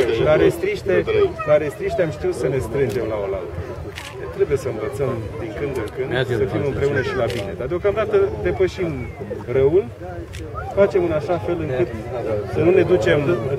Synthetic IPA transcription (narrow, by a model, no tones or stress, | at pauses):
laɾest̪ɾiʃt̪elaɾest̪ɾiʃt̪eamʃt̪iut̪səne̞st̪ɾɨnd͡ʒe̞mlao̞la̰lt̪ə | et̪ɾe̞buje̞səɨnvət̪səmd̪iŋkɨnd̪ɨŋkɨnd̪səfimɨmpɾe̞unəʃilabine̞d̪ard̪eo̞kamd̪at̪əd̪e̞pəʃim | rəul | fat͡ʃe̞mɨnaʃafe̞lɨŋkɨt̪sənune̞d̪ut͡ʃe̞m